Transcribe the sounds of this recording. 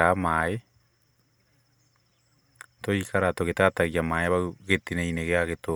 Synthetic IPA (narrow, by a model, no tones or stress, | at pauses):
amae | toikaɾatoɣetataɣiamaeβauɣetineineɣeaɣeto